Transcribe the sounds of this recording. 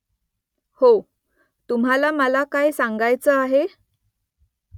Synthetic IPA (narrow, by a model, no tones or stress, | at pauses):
ho | t̪umɦalaməlakajsaŋɡajt͡səaɦe